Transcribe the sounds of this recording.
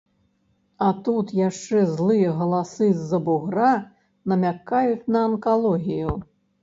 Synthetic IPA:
ɐt̪ut̪jaʂt͡ʂɛzlˠɨjɐɣɐlˠasɨzːɐbuɣɾa | nɐmʲakajut͡sʲnɐɐnkalˠɔɣʲiju

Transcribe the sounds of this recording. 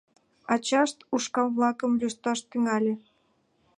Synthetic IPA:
ɑt͡ɕɑʃt̪uʃkɑβlɑkəmlʲyʃt̪ɑʃt̪yŋɑlʲĕ

